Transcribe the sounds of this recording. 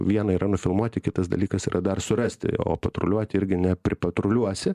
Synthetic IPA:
ʋʲiɛnɐiːɾʔɐnʊfʲɪlˠmuɔt̪ʲɪkʲɪt̪ɐsd̪ɐ̰lʲiːkɐsiːrɐd̪ɐrsʊrɐsʲt̪ʲɪ̰o̰ːpɐt̪ɾʊlʲuɔt̪ʲɪɪɾʲɡʲɪnʲɛpʲɾʲɪpɐt̪ɾʊlʲuɔsʲɪ

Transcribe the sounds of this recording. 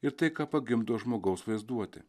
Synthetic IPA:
ɪɾt̪ɐɪkɑːpɐɡʲɪmd̪oːʒmoːɡɐʊsʋɐɪzd̪uɔt̪ʲɪ̰

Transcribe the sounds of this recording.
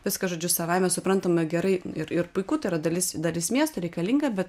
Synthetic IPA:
ʋʲɪskɐʒoːd͡ʒʲʊsɐʋɐɪmʲɛsʊpɾɐnt̪ɐmɡʲɛɾɐɪ̰ɪɾɪɾpʊɪkuːt̪ɐɪiɾɐd̪ɐlʲɪsd̪ɐlʲɪsmʲiɛst̪ɐɾʲɛɪkɐlʲiŋɡɐbʲɛt̪

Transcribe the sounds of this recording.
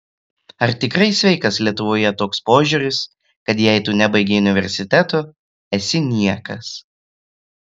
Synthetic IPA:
ɐɾt̪ʲɪkɾɐɪsʲʋʲɛɪkɐslʲiɛt̪ʊʋoːjɛt̪oːkspoːʒʲuːɾʲɪs | kɐt̪jɛɪt̪uːnʲæbɐɪɡʲeʊnʲɪʋʲɛ̰ɾʲsʲɪt̪ʲɛt̪oː | ɛsʲɪnʲiɛkɐs

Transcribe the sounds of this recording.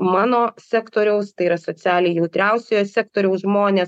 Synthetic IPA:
mɑːnoːsʲæːkt̪oːɾʲɛʊst̪ɐɪiɾɐsoːt̪t͡s̪ʲæːlʲejjɛʊt̪ʲɾʲɛˑʊsʲejoːsʲæːkt̪oːɾʲɛʊsʒmoːnʲeːs

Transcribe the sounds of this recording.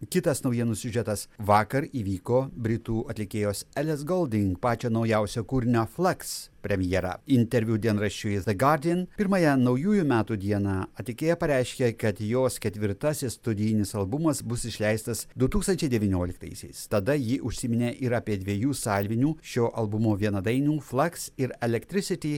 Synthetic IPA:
kʲɪt̪ɐsnɐʊjɛnʊsʲʊʒʲɛt̪ɐsʋɑːkɐɾiːʋʲiːkoːbʲɾʲɪt̪uːɐt̪ʲlʲɪkʲeːjoːsɛlʲɛsɡɔlˠd̪ʲɪŋkpɑːt͡ʃʲoːnɒʊjɛˑʊsʲoːkuːɾʲɪnʲoːfʲlˠɐkspʲɾʲɛmʲjɛːɾɑ̰ɪnʲt̪ʲɛɾʲʋʲud̪ʲiɛnɾɐʃʲt͡ʃʲʊjzɐɡɑɾʲd̪ʲɪɛnpʲɪɾmɑjɛnɐʊjuːjumʲæːt̪uːd̪ʲiɛnɑːɐt̪ʲlʲɪkʲeːjɛpɐɾʲæɪʃʲkʲekɐt̪joːskʲɛt̪ʲʋʲɪɾt̪ɐsʲɪsst̪ʊd̪ʲɪjɪnʲɪsɐlˠbʊmɐsbʊsɪʃʲlʲæɪst̪ɐsd̪ʊt̪uːkst̪ɐnʲt͡ʃʲɛɪd̪ʲɛʋʲinʲoːlʲɪkt̪ɐ̰ɪsʲɛ̰ɪst̪ɐd̪ɐjɪʔʊʃʲsʲɪːmʲɪnʲeːʔɪɾɑːpʲiɛd̪ʲʋʲiɛjuːsɑːlʲʋʲɪnʲuːʃʲoːʔɐlˠbʊmoːʋʲiɛnɐd̪ɐɪnʲuːflˠɐksɪɾɛlʲɛkt̪ʲɾʲɪsʲɪt̪ʲiː

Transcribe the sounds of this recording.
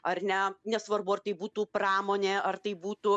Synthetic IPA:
ɐrnʲɛnʲɛsʋɐrbʊɐrt̪ɐɪbuːt̪uːpɾɑːmoːnʲeːɐrt̪ɐɪbuːt̪uː

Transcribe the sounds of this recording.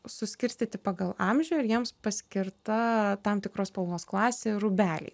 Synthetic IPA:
sʊsʲkʲɪɾʲsʲt̪ʲit̪ʲɪpɑːɡɐlˠɑmʲʒʲɛjɪɾjiɛmspɐsʲkʲɪɾt̪ɐt̪ɑmt̪ʲɪkɾoːspɐlˠnoːsklˠɑːsʲeːrʊbʲæːlʲɛ̰ɪ

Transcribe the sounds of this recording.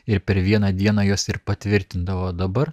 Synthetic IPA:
ɪɾpʲɛɾʋʲiɛnɐːd̪ʲiɛnɑːjoːsɪɾpɐt̪ʲʋʲɪɾʲt̪ʲɪnd̪ɐʋoːd̪ɐbɐɾ

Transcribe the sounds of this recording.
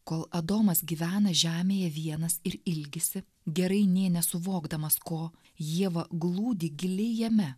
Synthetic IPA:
koːlˠɐd̪oːmɐsɡʲiːʋʲæːnɐʒʲæːmʲeːjɛʋʲiɛnɐsɪɾɪlʲɡʲɪsʲɪ | ɡʲɛɾɐɪnʲeːnʲɛsʊʋoːɡd̪ɐmɐskoː | jiɛʋɐɡlˠuːd̪ʲiːɡʲɪlʲɪjɛmʲɛ

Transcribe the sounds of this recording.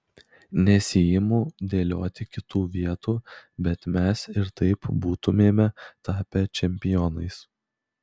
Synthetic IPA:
nʲɛsʲiːjɪmuːd̪ʲeːlʲoːt̪ʲɪkʲɪt̪uːʋʲiɛt̪uːbʲɛt̪mʲɛsɪɾt̪ɐɪpbuːt̪ʊmʲeːmʲɛt̪ɑːpʲɛt͡ʃʲɛmʲpʲɪjɔnɐɪs

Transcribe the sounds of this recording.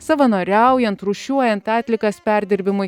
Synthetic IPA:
sɐʋɐnoːɾʲɛʊjɛnt̪ɾʊʃʲuɔjɛnt̪ɑːt̪ʲlʲɪkɐspʲæˑɾʲd̪ʲɪɾʲbʲɪmʊj

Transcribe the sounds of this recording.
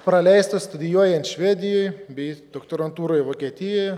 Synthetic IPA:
pɾɐlʲɛɪst̪ɐst̪ʊd̪ʲɪjuɔjɛnt̪ʃʲʋʲæːd̪ʲɪjoɪjbʲɛɪd̪oːkt̪oɾɐnt̪uːɾoːjʋoːkʲiɛt̪ʲɪjoj

